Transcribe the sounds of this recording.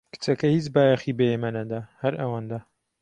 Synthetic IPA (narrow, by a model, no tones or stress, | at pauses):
kɨ̥t͡sɐkɐhit͡ʃbaːjɐxibejemɐnɐd̪ahɐɾʔɐwand̪a